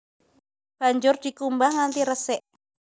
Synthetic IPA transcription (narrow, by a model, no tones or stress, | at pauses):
b̥a̤ɲd͡ʒʊrd̥i̤kumbahŋant̪iɾəsɛʔ